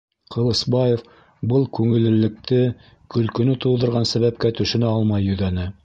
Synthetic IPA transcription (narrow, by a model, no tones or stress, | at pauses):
qʰɤ̆lˠɤ̆sbɑjef | bɤlˠkʉŋɘ̆lːɘ̆lːɘ̆k̚t̪ɘ | kɵ̆lkɵ̆nɵt̪ulˠd̪ɤ̆ɾʁɑnsæβæpkæt̪ɵ̆ʃɘ̆næɑlˠmɑjɵ̆ðænɘ